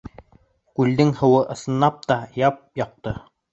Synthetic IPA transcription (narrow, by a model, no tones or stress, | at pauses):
kʉld̪ɘŋhɤ̆wɤʔɤ̆sɤ̆nlˠɑp̚t̪ɑjɑp̚jɑq̚t̪ɤ